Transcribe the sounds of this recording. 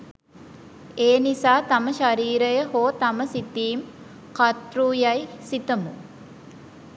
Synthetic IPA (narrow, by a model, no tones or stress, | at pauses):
eːnisaːt̪aməʃaɾiːɾəjəɦoːt̪aməsit̪iːm | kat̪ruːjajsit̪əmu